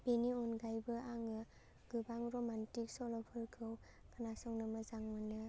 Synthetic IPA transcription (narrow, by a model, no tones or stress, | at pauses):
b̥eniɔnɡajbɯʔaŋɯ | ɡ̥ɯbaŋɾɔmantik̚sɔlɔpʰɯɾkʰɯw | kʰanasɔŋnɯmɯzaŋmɯnɯ